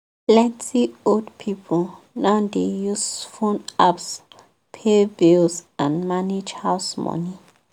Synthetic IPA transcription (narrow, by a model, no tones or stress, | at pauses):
plɛ̃ntʰiodpʰipʰɔl | naʊdejusfõnaps | pʰebilsãnmaned͡ʒhaʊsmɔ̰ni